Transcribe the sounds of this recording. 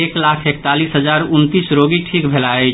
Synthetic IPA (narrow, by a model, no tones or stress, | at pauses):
eklakʰekt̪alisɦəd͡ʒaɾunt̪isɾoɡiʈʰikbʱelae